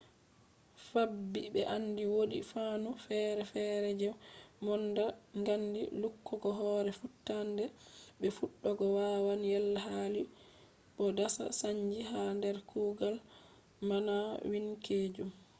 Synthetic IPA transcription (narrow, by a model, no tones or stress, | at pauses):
fabːibɛʔanːdiwoɗḭfanufɛɾɛfɛɾɛd͡ʒɛwmɔndaŋɡandḭlukːɔɡɔɦɔɾɛfutːandɛɓɛfuɗːɔɡɔwawanjɛlːaɦali | ɓɔdasa̰saɲd͡ʒiɦandɛɾkʰuːɡal | manawinkʰeːd͡ʒum